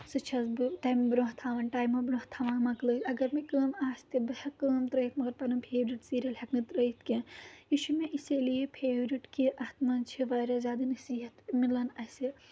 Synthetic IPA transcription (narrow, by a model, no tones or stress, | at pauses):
sɨt͡ʃʰɐzbɨtɐːjmbɾoːɦt̪ʰaːʋɐnʈaːjmɐbɾoht̪ʰaʋaːmɐkləːt̪ɐɡɐɾmikəːmaːst̪ibɨhɐkəːmt̪ɾɐjt̪̚mɐɡɐɾpɐnɨmpʰeːʋɾiʈsiːɾɐlhɐknɨt̪ɾɐjt̪ʰkĩjiʃumeʔiselijipʰeːʋɾiʈkiʔɐht̪nɐnt͡ʃʰiʋɐːjɾɐzʲaːd̪ɨnɐsiːɦɐt̪milɐnɐsi